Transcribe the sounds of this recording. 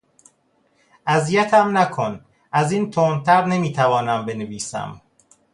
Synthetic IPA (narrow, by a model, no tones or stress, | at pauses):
ʔæzijæt̪ʰæmnækʰon | ʔæziːnt̪ʰoːnt̪ʰæɾne̞miːt̪ʰævɒːnæmbe̞neviːsæ̰m